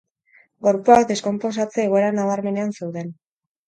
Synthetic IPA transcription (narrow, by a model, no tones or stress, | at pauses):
ɡo̞ɾpuakd̪e̞sko̞mpo̞s̬at͡seːɣ̞o̞eɾanaβaɾme̞ne̞anse̞wðe̞n